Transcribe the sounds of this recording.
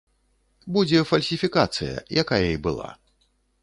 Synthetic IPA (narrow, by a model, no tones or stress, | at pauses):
bud͡zʲɛfɐlʲsʲifʲikat̪sɨ̰jɐ̰jakajɐibɨlˠa̰